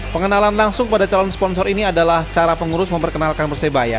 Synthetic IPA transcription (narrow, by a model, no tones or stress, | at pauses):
pəŋənalanlaŋsʊŋpadat͡ʃalɔnspɔnsɔɾiniadalaht͡ʃaɾapəŋuɾʊsməmpərkənalkanbərsəbaja̰